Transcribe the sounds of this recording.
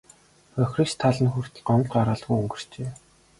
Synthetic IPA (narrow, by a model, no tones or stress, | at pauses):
œxrist̪ʰːaɮə̆nxur̥t̪ɢɔn̆ɮɢaɾaːɮɣujɵŋɡɵ̆r̥t͡ɕeː